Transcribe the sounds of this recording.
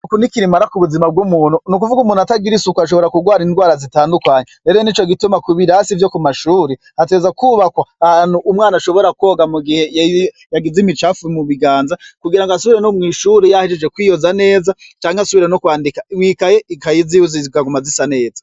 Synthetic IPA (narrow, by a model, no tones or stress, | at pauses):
nukunikiɾimaɾakuβuzimab̚ɡumuːn̥unukuvuɡumuːn̤uataɡiɾisukuaʃ̬o̞βo̞ɾakuɡwaːɾindwaːɾazitaːndukaːɲeɾe̞ːɾonit͡ʃoɡitumakuβiɾasivjo̞kumaʃuːɾe | hat̬ezakuːβakwaːhanuːmŋaːnaʃo̞βo̞ɾakwoːɡamuɡihe̞j | jaɡizimit͡ʃafumuβiɡaːnzakuɡiɾaŋɡasuβiɾenomŋiːʃuɾejahiʃed͡ʒwekwiːjozane̞ːzat͡ʃaːŋeasuβiɾenokwaːndikaimŋiːkajeikajiziuzizkaɡumazisane̞ːza